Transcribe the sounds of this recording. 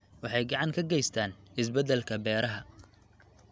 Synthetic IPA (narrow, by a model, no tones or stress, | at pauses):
wɑħɑjɡɑʕɑŋkʰɐɡɛjst̪ʰaːnɪsbɛd̪ɛlkʰɐbɛːɾɐɦɐ